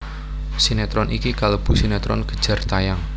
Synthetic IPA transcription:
sinet̪ɾɔnʔikikalob̥usinɛt̪ɾɔ̰nɡ̥ə̥d̥ʒ̥ä̤rt̪ajaŋ

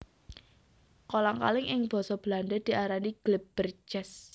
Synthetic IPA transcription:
kolaŋka̰lɪŋɪŋb̥ɔ̤sɔb̥əlanɖəd̪̥i̤ʔaɾaniɡ̥lɪp̚b̥ərd͡ʒɛs

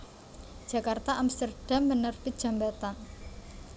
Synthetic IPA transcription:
d̥ʒ̥ä̤kart̪aʔamst̪ərɖ̥a̤mbənərpi̥ʒ̥a̤mbat̪an

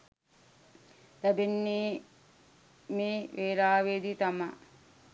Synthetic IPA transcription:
t̪æbenːiː | meːʋeːɾaːʋeːd̪it̪amɐ

